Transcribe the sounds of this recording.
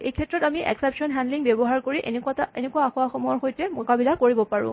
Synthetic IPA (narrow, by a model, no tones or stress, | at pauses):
ḛjkʰɛtːɹɔtamiʔɛ̰ksɛpsɔnɦɛndliŋbebɔɦaɹkoɹiʔentaenekuaxʊaxɔmɔɹxojtɛmɔkabilakoɹibɔpaɹʊ̰̃